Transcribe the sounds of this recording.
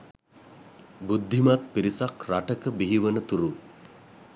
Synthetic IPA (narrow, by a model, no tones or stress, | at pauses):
bud̪ʱːimat̪̚piɾisakraʈəkəbiɦiʋənət̪uɾu